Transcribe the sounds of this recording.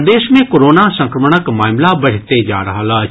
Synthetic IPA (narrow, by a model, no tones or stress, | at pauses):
d̪eːʃmẽkoːɾoːnasɐ̃ŋkɾəməɳ̃əkmaːmlabɐɽ̤t̪ed͡ʒa̰ːɾɐɦalaː